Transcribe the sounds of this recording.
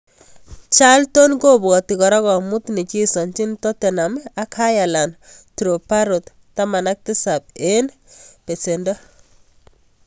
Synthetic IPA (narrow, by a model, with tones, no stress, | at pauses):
t͡ʃalto˦nko˦bɔ˨ti˨kɔ˨ɾɔ˦kɔ˨mu˦tne˨t͡ʃi˦sɔ˨nt͡ʃi˦ntɔ˦te˨na˨ma˦ka˦ja˨la˨ntu˨ɾo˨pa˦ɾo˨tːama˨na˦k̚tɪ˦sap̚en | pe˨se˨ndɔ˦